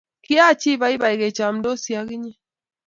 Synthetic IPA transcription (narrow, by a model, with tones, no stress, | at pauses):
ki˦a˦˨t͡ʃi˦βa˦i˦βa˨i˨ɣɛ˨t͡ʃa˨m̩do˦si˨a˨ɣi˦ɲɛ˦